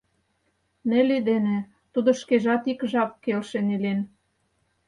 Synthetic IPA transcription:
nĕlid̪enĕ | t̪ud̪ŏʃkeʒɑt̪ikʒɑpkelʃenelen

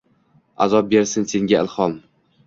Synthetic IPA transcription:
a̰zɒp̚be̞ɾsɪnse̞ŋɡʲaɪlˠhɒm

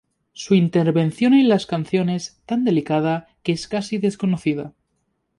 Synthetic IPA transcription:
suint̪e̞ɾβe̞nθjo̞nenlaskan̟θjo̞ne̞st̪and̪e̞likað̞akeeskasiðe̞sko̞noθiða̰

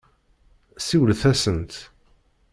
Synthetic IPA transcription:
siwəlθæsənt̪

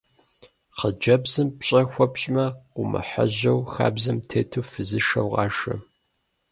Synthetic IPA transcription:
qəd͡ʒɐbzɨmpɕʼɐxʷɔpɕʼmɐqʷʊmɐ̰ħɐ̰ʑɐwxa̰ːbzɐmtʰeːtʰɨːfɨzɨʃɐ̰wqɑːʃɐ̰

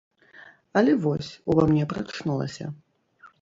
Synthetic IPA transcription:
ɐlʲɛvɔsʲuvamnʲɛpɾat̪ʂnulˠɐ̰sʲɐ̰

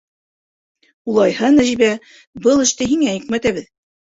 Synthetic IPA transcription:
ulˠɑjhɤnæʒiβæ | bɤlˠɘ̆ʃt̪ɘɦiŋæjikmæt̪æβɘð

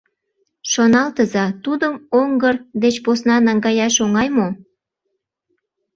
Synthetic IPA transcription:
ʃonɑlt̪əzɑt̪ud̪əmoŋɡərd̪et͡ɕposnɑnɑŋɡɑjɑʃoŋɑjmo

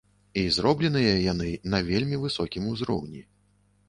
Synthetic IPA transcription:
izɾɔblʲɛnɨjɐjanɨnɐvʲelʲmʲivɨsɔkʲimuzɾɔ̰wnʲi

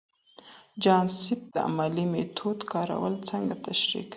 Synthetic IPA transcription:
d͡ʒɑnsɪp̚d̪̥əa̰malimet̪ʰod̪kɑɾa̰wəlt͡səŋɡat̪aʃɾḭk

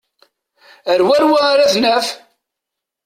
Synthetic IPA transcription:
əɾwæɾwaɾaθnæf

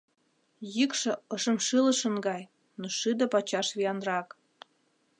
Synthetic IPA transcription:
jikʃɤ̆əʃə̆mʃɨlə̆ʃə̆nɡɑj | noʃɨd̪ə̆pɑt͡ɕɑʃβiɑnrɑk

